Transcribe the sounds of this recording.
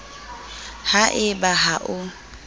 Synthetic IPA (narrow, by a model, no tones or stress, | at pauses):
haʔɪbaɦaʔʊ